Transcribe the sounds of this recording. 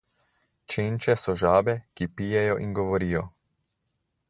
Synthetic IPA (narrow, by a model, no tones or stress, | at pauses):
t͡ʃeːnt͡ʃɛsɔʒaːbɛkipijɛjɔʔinɡɔʋɔɾiːjɔ